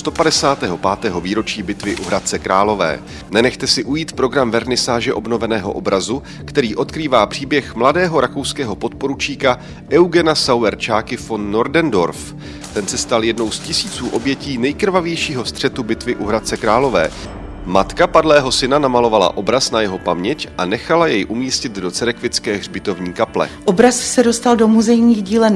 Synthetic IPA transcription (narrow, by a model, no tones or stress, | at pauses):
st̪opadɛsaːt̪ɛːɦo̞paːt̪ɛːɦo̞viːɾo̞t͡ʃiːbɪt̪vɪʔuɦɾat̪̚t͡sɛkɾaːlo̞vɛ̰ː | nɛnɛxt̪ɛsɪʔujiːt̪pɾo̞ɡɾamvɛɾnɪsaːʒɛʔo̞bno̞vɛnɛːɦo̞̰ʔo̞̰bɾazu | kt̪ɛɾiːʔo̞t̪kɾiːvaːpr̝̥iːbjɛxmladɛːɦo̞ɾako̞wskɛːɦo̞po̞t̪̚po̞ɾut͡ʃiːka | ʔɛwɡɛnasawɛɾt͡ʃaːkɪfonːo̞ɾdɛndo̞ɾf | t̪ɛnsɛst̪aljɛdno̞wscɪsiːt͡suːʔo̞bjɛciːnɛjkɾ̩vavjɛjʃiːɦo̞st̪r̝̥ɛt̪ubɪt̪vɪʔuɦɾat̪̚t͡sɛkɾaːlo̞vɛ̰ː | mat̪kapadlɛːɦo̞sɪnanamalo̞vala̰ʔo̞bɾasnajɛɦo̞pamɲɛcʔanɛxalajɛjʔumiːscɪd̪do̞t͡sɛɾɛkvɪt͡skɛːɣr̝bɪt̪o̞vɲiːkaplɛ̰ʔobɾassɛdost̪aldo̞muzɛjɲiːɣɟiːlɛ